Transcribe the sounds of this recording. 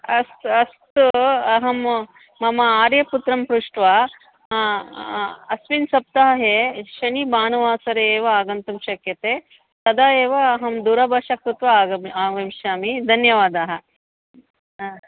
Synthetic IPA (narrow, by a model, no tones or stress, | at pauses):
ɐst̪ɐst̪uɐɦɐmː | ɐmɐaːɾjɐput̪ɾɐmpɾuʂʈʋaː | ɐsʋinsɐp̚t̪ɐɦɐɦeʃɐnibaːnuʋaːsɐɾeːʋɐaːɡɐnt̪umʃɐkjɐt̪eː | t̪ɐd̪aːeːʋɐːɦɐmd̪uːɾɐbɐʃɐkɾut̪ʋɐːɡɐmaːʋɐmʃaːmid̪ʱɐnjɐʋaːd̪aːɦɐ